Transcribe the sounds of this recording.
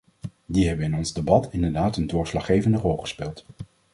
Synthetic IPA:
diɦɛbənɪnɔnzdebɑtɪndəɹdaːtəndʊːɹslɑχejvəndərɔlˠχə̥spɪːlˠt

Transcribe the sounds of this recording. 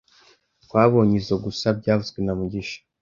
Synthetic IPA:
kwaːβo̞ːɲizoɡusab̚ɟaːβuzɡwenamuɟiʃḁ

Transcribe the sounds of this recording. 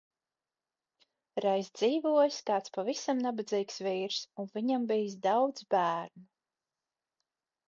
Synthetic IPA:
ɾajsd̪ziːvuɔjskaːt̪spavisamnabad̪ziːksviːɾsunviɲambiːs̬d̪awd̪zbæːɾnu

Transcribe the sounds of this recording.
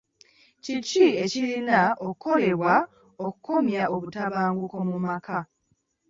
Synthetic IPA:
cicie̞cilinaokuko̞le̞βwa | o̞ku̥ko̞mjaʔo̞βutaβaːŋɡuko̞mumaka

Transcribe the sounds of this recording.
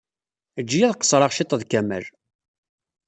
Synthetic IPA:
əd͡ʒːijæðqːə̥sˤɾˤɑʁʃit̪ːˤəðkæmə̰l

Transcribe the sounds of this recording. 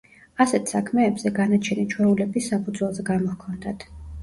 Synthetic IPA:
asɛt̪ʰsakʰmɛːbzɛɡanat͡ʃʰɛnit͡ʃʰwɛulɛbisːapʰud̪zwɛlˠzɛɡamɔhkʰɔnd̪at̪ʰ

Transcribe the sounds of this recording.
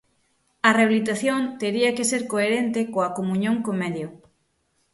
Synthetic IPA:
ɐreaβilit̪aθjont̪eɾiɐkeseɾkoeɾent̪ekoɐkomuɲõŋkomɛðjo

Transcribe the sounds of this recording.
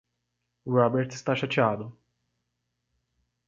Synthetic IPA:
ɾɔbɛɾt̪st̪aʃat͡ʃaːd̪ʊ

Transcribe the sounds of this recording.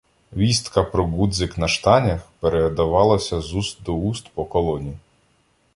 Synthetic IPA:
ʋʲist̪kɐpɾɔɡud̪zɪknɐʃt̪ɑnʲɐxpeɾed̪ɐʋɑlˠɐsʲɐzust̪̚d̪ɔust̪pɔkɔlˠɔnʲi

